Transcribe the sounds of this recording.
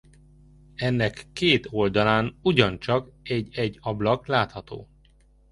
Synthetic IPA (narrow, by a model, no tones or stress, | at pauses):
ɛnːɛkːeːt̪o̞ld̪ɒlaːnuɟɒnt͡ʃɒkɛɟːɛɟːɒblɒklaːt̪hɒt̪o̰ː